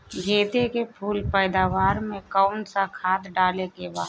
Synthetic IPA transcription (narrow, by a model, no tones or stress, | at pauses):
ɡʱeːt̪ekepʰuːlpəːd̪aːʋaːɾmẽkaʊnsakʰaːt̪ɖaːlekebaː